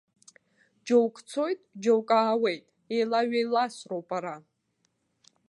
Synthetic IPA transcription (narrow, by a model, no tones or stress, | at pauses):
d͡ʒowkʼt͡sʰo̞jtʼd͡ʒowkʼaːwe̞jtʼ | ejlaɥejlasrowpʼaɾa